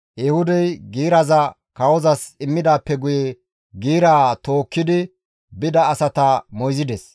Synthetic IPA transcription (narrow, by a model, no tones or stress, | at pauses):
jɛhʊd̪ɛjɡiːɾɐzɐ | kɐwɔzɐsɪmːɪd̪aːpːɛɡʊjɛ | ɡiːɾaːt̪o̞ːkːɪd̪ɪ | bɪd̪ɐːsɐt̪ɐmɔjzɪd̪ɛs